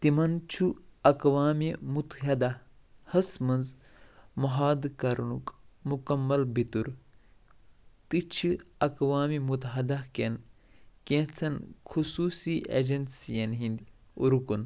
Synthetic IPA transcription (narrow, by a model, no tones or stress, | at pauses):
t̪imɐnt͡ʃʰuɐkʋaːmimut̪ɦɐd̪a | hɐsmɐnz | mɐɦaːd̪kɐɾnukmukɐmːɐlbit̪uɾ | t̪ɨt͡ʃʰiɐkʋaːmimut̪ɦɐd̪ɐkenkẽt͡sʰɐnkʰusuːsiʔḛd͡ʒɐnsijɐnɦĩnd̪iuɾukun